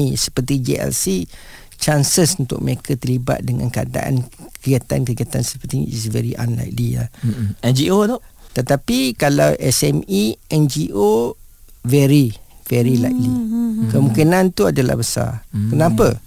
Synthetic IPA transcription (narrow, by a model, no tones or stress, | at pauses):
isə̥pərt̪id͡ʒḛɛ̰lsi | t͡ʃansəsunt̪ʊ̰ʔ̚məɾekʰət̪əliba̰t̪̚dəŋã̰nkada̰ʔa̰nkəɾiat̪ankəɡiat̪ansə̥pərt̪iisvɛɾiʔanla̰jklila̰ɛnd͡ʒiodɔʔt̪ət̪apikalawʔɛsɛmiʔɛnd͡ʒiʔo | vɛɾivɛɾilajk̚likəmũkinãnt̪uadala̰hbəsa̰kənãpə